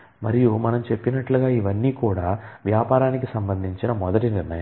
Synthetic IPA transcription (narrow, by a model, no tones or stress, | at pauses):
mɐɾijumɐnɐmt͡ʃe̞pːinɐʈluɡaːiʋɐnːiːkuːɽaːʋjaːpaːɾaːnikisɐmbɐnd̪ʱiɲt͡ʃinɐmɔd̪ɐʈiniɾnɐjɐ